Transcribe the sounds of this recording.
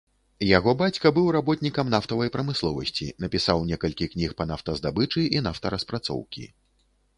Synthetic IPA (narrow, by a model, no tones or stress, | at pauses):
jaɣɔbat͡sʲkɐbɨwɾabɔt̪ʲnʲikɐmnaft̪ɐvɐjpɾɐmɨslˠɔvɐ̰sʲt͡sʲḭnɐpʲisawnʲɛkɐlʲkʲiknʲixpɐnaft̪ɐzd̪abɨt͡ʂɨʔinaft̪ɐɾɐspɾat̪sɔ̰wkʲḭ